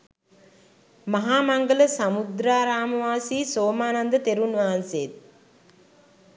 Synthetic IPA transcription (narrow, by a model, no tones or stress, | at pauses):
maɦaːmaŋɡələsamud̪ɾaːɾaːməʋaːsiːsoːmaːnand̪ət̪eɾunʋaɦansejːt̪̚